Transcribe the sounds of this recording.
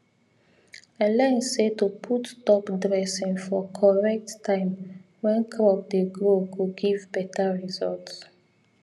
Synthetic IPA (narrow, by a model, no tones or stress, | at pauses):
ɛlãnsetupʰuttɔkdɹɛsĩnfɔkʰɔɹɛk̚tːãɪ̃m | wɛ̃nkʰɹɔp̚deɡɹoɡuɡivbɛtaɹizɔlts